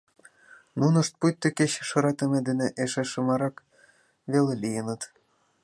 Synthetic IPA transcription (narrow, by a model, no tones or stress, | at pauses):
nunəʃt̪̚pujt̪ːekeɕʃɤ̆ɾɑt̪ə̆med̪eneʔeʃeʃɤ̆mɑɾɑk | βelelijənət̪